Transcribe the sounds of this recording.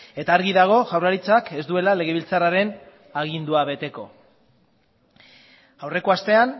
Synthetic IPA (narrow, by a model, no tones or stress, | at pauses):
e̞t̪aːɾɣiðaɣ̞o̞ʝawraɾit͡sake̞zd̪ue̞lale̞ɣ̞e̞β̞ilt͡saraɾe̞n | aɣ̞ind̪uaβe̞t̪e̞ko̞̰ | awre̞ko̞ast̪e̞an